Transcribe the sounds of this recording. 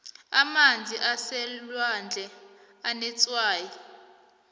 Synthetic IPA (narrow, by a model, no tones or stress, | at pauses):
amand͡zʱiʔasɛlwand͡ɮʱɛ | anɛt͡sʼwaːjɔ